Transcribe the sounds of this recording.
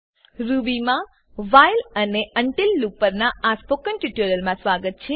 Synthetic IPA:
ɾubimã | ʋajləneəɳʈilːupəɾnaaspokənʈuʈuɾəlmãsʋaɡət̪̚t͡ʃʰe

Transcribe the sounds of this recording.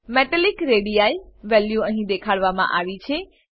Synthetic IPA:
mɛʈəlikɾeɽijaiʋɛljuəɦĩd̪ekʰaɭʋamã̰ʔaʋit͡ʃʰe

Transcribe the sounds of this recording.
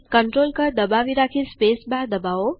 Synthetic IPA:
kəɳʈɾoːlkəɾd̪əbaʋiɾakʰispeːsbaɾd̪əbao

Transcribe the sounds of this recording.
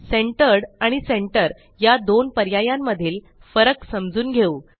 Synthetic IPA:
seɳʈəɾɽaɽ̃iseɳʈəɾ | jad̪onpəɾjajamːəd̪ʱiːl | fəɾəksəmd͡zuːnɡʱeuː

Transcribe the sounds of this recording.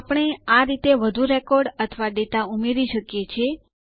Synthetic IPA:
apəɳ̃eaɾit̪eʋəd̪ʱuɾɛkɔɾɖət̪ʰəʋaɖet̪aumeɾiʃəkjet͡ʃʰe

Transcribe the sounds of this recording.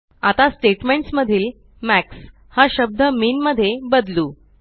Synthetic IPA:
at̪asʈeʈmeɳʈsməd̪ʱiːl | mæks | haɕəb̚d̪ʱəmiːnməd̪ʱːjebəd̪luː

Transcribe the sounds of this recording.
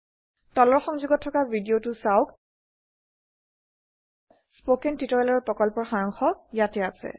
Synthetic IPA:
tɔlɔɹxɔŋzuɡɔtʰːɔkabʱidiotʊsawk | spokɛntitɔɹalɔɔɹpɹɔkɔlpɔɹxaɹɔŋxɔjatɛasɛ̰

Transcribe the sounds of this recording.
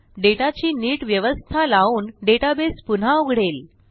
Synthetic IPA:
ɖeʈat͡ɕiːniːʈʋjəʋəst̪ʰalauːnɖeʈabespun̤auɡʱɽel

